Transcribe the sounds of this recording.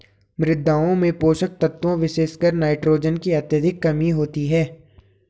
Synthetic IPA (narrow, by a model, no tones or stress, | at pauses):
mɾɪd̪ʱːaːõmẽpoːʃək̚t̪ɐt̪ːõʋɪʃeːʃkəɾnaːɪʈɾoːd͡ʒənkiɐt̪jəd̪ʱɪkːɐmiɦoːt̪iɦɛː